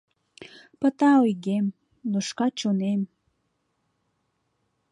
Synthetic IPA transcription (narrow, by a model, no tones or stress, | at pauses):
pət̪ɑojɡem | noʃkɑt͡ɕonem